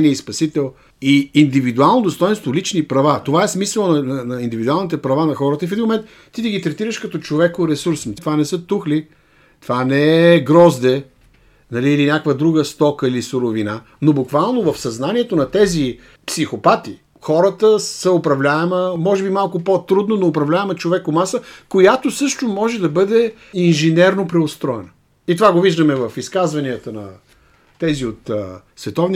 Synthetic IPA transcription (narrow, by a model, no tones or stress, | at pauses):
niəispɐsit̪ɛlˠ | iind̪ivid̪ualˠnod̪ost̪ɔjɛnst̪volit͡ʃnipɾɐvat̪ovaɛsmisəlˠnɐnɐnɐind̪ivid̪ualˠnit̪ɛpɾɐvanɐxɔɾət̪əifɛd̪inmomɛnt̪ | t̪ːit̪iɡit̪ɾɛt̪iɾəʃkɐt̪ɔt͡ʃovɛkoɾɛsuɾstt̪ovanɛsət̪uxli | t̪vanɛɛɡɾɔzd̪ɛ | nɐliːlinʲjakvəd̪ɾuɡəst̪ɔkəilisʊɾovina | nobʊkvalˠnovɐfsɐznaniɛt̪onɐt̪ɛzi | psixopat̪i | xɔɾət̪əsəopɾɐvlʲaɛməmɔʒɛbimalˠkʊpot̪ɾud̪nonoːpɾɐvlʲaɛmɛt͡ʃovɛkomasəkojat̪osɤʃt̪omɔʒɛd̪ɐbɤd̪ɛ | inʒɛnɛɾnopɾɛost̪ɾɔɛnə | it̪ovaɡoviʒd̪əmɛvɐfiskazvɐniət̪ənɐ̰ | t̪ɛziot̪ | svɛt̪ɔvni